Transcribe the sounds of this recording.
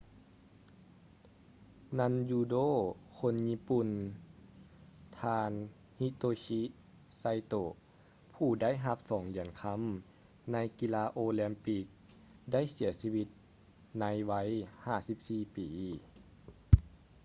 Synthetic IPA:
na˧njuː˧doː˥˨kʰo˧˥nɲi˧˥pu˧˨n | t̪ʰaː˧n | hi˧˥t̪oː˧ɕi˧˥ | sa˧jt̪oː˧˩ | pʰuː˧˩da˥˨jɦa˧˦p̚sɔː˨˦ŋli˨˩ənkʰa˧˥˨m | na˧˥jki˧laː˧ʔoː˧lɛ˧mpi˧k̚ | da˥˨jsi˨˩˦ɐsiː˧˥ʋi˧t̪̚ | na˧˥jʋa˧˥jhaː˧˩si˧˦p̚siː˧˩piː˨˦

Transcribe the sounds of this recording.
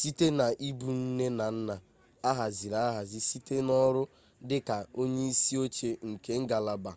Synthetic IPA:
si˦te˦na˨ʔi˦bu˨n̩˦ne˦na˨n̩˦na˨ | a˦ɦa˨zi˨ɾa˨a˦ɦa˨zi˦si˦te˦nɔ˦ɾʊ˦ | dɪ˦ka˨o˦ɲe˦i˦si˦o˦t͡ʃe˦ŋ̩˨ke˦ŋ̩˦ɡa˨la˨ba˨

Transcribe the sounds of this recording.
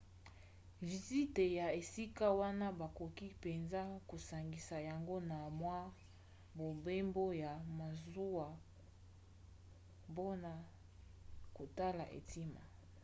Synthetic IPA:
vi˨zi˦te˨ja˨e˨si˦ka˦wa˦na˦ba˨ko˨ki˦pe˨nza˦ko˨sa˨ŋɡi˨sa˨ja˨ŋɡo˦na˨mwa˦ | bo˨be˦mbo˦ja˨ma˨zu˦wa˨ | bo˦na˨ | ko˨ta˦la̰˨ʔḛ˨ti˦ma˨

